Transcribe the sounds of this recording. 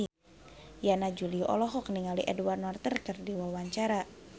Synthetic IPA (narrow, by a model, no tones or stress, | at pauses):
janad͡ʒuliʔɔ̰lɔɦɔkniŋaliʔɛduwarnɔrt̪ərkərdiwawaɲt͡ʃaɾa